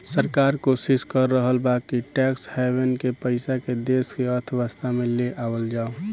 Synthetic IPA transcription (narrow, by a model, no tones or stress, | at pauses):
səɾkaːɾkoːsɪskəɾːəɦəlbakiʈɛːkshɛːʋenkepəɪsaked̪eːskeəɾt̪ʰʋəst̪ʰamẽleʔaːwəld͡ʒaːo